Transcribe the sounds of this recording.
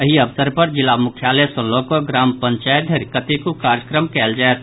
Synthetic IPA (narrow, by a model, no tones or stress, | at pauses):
əɦiəʋsəɾpəɾd͡ʒɪlamʊkʰjaːlesə̃lokoɡɾaːmpə̃ɲt͡ʃaːjt̪̚d̪ʱəɾikət̪ikukaːɾjəkɾəmkɛːld͡ʒaet̪ʰ